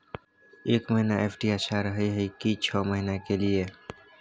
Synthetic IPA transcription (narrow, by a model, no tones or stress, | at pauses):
eːkməɦinaeːfʰʈiaʃaɾəɦiɦikit͡ʃʰɔːməɦɪnakelie